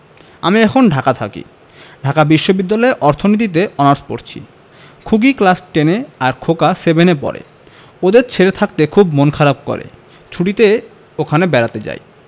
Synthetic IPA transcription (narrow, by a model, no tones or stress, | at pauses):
a̰miɛkʰonɖʱakat̪ʰa̰kḭ | ɖʱakabiʃːobid̪ːalɔeʔɔɾt̪ʰonit̪̬it̪eɔnaɾspo̰ɾt͡ɕʰḭ | kʰuɡiklasʈeneaɾkʰokasebenepɔ̰ɾḛ | od̪eɾt͡ɕʰeɾet̪ʰak̚t̪ekʰubmonkʰaɾab̚ko̰ɾḛ | t͡ɕʰuɽit̪e | okʰanebɛɾat̪ed͡ʑa̰j